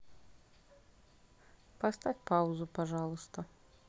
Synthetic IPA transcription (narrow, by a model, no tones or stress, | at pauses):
past̪afʲpawzupaʐalˠust̪ɐ